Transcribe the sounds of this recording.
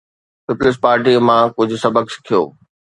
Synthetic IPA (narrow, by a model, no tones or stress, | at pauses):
pɪplɪs̬paːɾʈ̬iːəmãkʊd͡ʑʱʊ̆sɐbəksɪ̥kʰijo̰ː